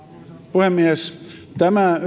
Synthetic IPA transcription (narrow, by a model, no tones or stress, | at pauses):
puhemːiest̪æmæ